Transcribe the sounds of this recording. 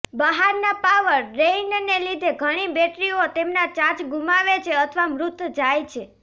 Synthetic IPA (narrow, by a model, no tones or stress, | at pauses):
bəɦaɾnapaʋəɾːennelid̪ʱeɡʱəɽ̃ibeʈɾiot̪emnat͡ʃãt͡ʃɡumaʋet͡ʃʰeət̪ʰəʋamɾut̪d͡ʒajt͡ʃʰe